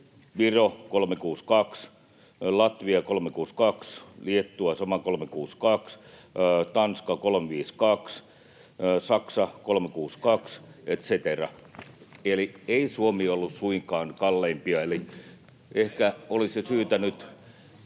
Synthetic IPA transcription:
ʋirokolmekuːskɑks | lɑt̪ʋiɑkolmekuːskɑksliet̪ːuɑsɑmɑkolmekuːskɑks | t̪ɑnskɑkolmeʋiːskɑks | sɑksɑkolmekuːskɑkset̪set̪erɑ̰ | elieisuomiːolːussuiŋkɑːnkɑlːeimpiɑeli | ʔehkæolisesyːt̪ænyt̪

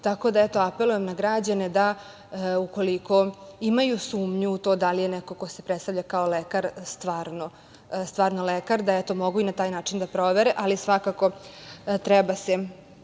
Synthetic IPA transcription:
t̪ako̞d̪aɛt̪o̞ape̞lujemnaɡɾad͡ʑaned̪a | uko̞liko̞imajusuːmɲuːt̪oːd̪alijenɛko̞ko̞sepɾet̪st̪avʎʲakaolekaɾst̪ʋaːɾno | st̪ʋaːɾnolekaɾd̪aɛt̪o̞mo̞ɡuinat̪aːjnaːt͡ʃind̪apɾo̞ʋeɾeʔalisʋakako̞t̪ɾɛbase

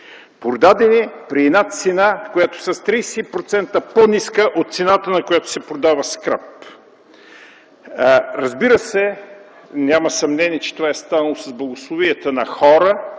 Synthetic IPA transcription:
pɾod̪ad̪ɛnipɾiɛd̪nat̪sɛnakojat̪o̥sɐst̪ɾijsɛipɾot̪sɛnt̪əponiskəʔot̪t̪sɛnat̪ənɐkʊjat̪o̥sɛpɾod̪avəskɾap | ɾɐzbiɾəsɛ | nʲaməsɐmnɛniɛt͡ʃɛ̥t̪ovaɛst̪anɐlˠosɐzblˠɐɡoslˠoviət̪ənɐxɔɾə

